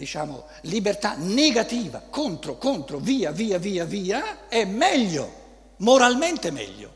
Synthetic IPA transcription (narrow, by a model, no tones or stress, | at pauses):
d̪it͡ʃa̰ːmo̰ | libert̪aneɡat̪iːva̰kont̪ɾokont̪ɾoviːaviːaviːaviːaɛmːɛʎːo̰ | moɾalment̪emɛ̰ʎːo̰